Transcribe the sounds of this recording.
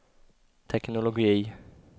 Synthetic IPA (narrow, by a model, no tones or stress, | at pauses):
t̪ʰɛknɔlɔɡi